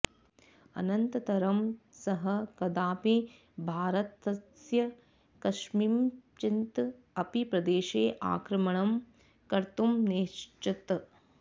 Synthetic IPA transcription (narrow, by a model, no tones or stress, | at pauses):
ɐ̰nɐnt̪ɐt̪ɐɾɐmsɐɦɐkɐd̪aːpi | bʱaːɾɐt̪ɐsjɐ | kɐʃmimt͡ʃint̪ | ɐpipɾɐd̪eːʃeːʔa̰ːkɾɐmɐɳɐm | kɐɾt̪umneːʃt͡ʃit̪